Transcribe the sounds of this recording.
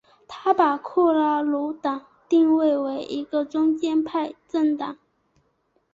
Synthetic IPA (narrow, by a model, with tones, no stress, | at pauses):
t̪ʰa˥pa˨˩kʰɔ˥˩la˧˥˩lu˧˥t̪ɑ˨˩˦ŋ | t̪i˥˧ŋwe˥˩ɪwe˧˥ɪʔi˧˥ɡə˧ʈ͡ʂʊ˥ŋt͡ɕjɛ˥npʰa˥˧ɪʈ͡ʂə˥˩ŋt̪ɑ˨˩˦ŋ